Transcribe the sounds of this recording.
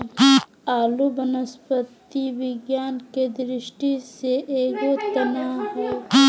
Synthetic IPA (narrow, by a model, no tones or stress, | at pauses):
aːlubənəspət̪iʋɪɡjaːnked̪ɾɪʃʈiseʔeːɡot̪ɐnaɦɛː